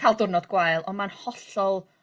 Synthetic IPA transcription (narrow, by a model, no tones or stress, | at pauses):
kʰalˠdʊrnɔdɡwaɨlˠɔnmanhɔɬɔlˠ